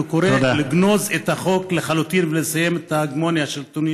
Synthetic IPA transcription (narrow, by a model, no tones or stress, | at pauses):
ukoɾeod̪aliɡno̞zet̪haχo̞kleχalut̪invelesaje̞met̪aɡmo̞njaʃelt̪unj